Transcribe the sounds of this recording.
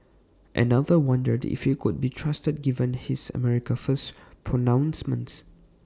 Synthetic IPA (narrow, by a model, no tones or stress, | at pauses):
ʔɛ̰naðəwãndədḭfhikʊd̚bitʰɹastəd̚ɡivə̃nhisə̰mɛɹikəfəspʰɹonãw̃nsmə̃nts